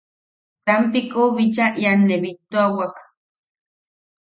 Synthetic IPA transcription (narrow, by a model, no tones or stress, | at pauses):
t̪ampikuβit͡ʃaʔjanːeβit̪ːoawak